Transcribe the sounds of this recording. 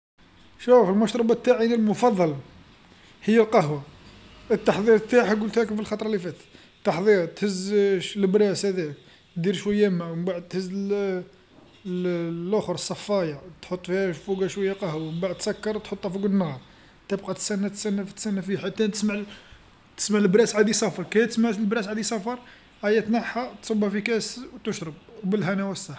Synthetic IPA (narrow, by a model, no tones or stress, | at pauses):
ʃufəlmɑʃɾˤɑbɑt̪ːaʕinilmʊfɑd̪ˤːɑl | həjːælqɑhwa | ət̪ːɑħd̪ˤiɾt̪ːaħɡult̪hækəfilxɑt̪ˤɾˤɑlifæt̪ | t̪ːɑħd̪ˤiɾt̪həzləbɾæshæd̪æk̪̚ | d̪iɾʃwæjːæmæwəmbaʕəd̪̚t̪həzː | lʔʊxɾˤəsˤːɑfːɑjɑt̪ħot̪ˤːfihæʃfuɡæʃwæjːæqɑhwmbaʕd̪̚t̪sɑkːɑɾˤt̪ħot̪ˤːɑfuɡənːhɑɾˤ | t̪əbqɑt̪əsænːæt̪sænːæft̪sænːæfiħat̪ːæt̪ə̥smaʕ | t̪ə̥smaʕlbɾæsʕad̪isɑfɑɾˤkæjt̪əsmaʕlbɾæsʕad̪isˤɑfɑɾˤ | ʔæjæt̪naħat̪sˤɑbhæfikæswt̪əʃɾəb̚wbəlɦænæwæsːɑħ